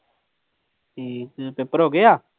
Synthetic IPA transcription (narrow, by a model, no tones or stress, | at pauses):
ipepːəɾɦoːɡeaː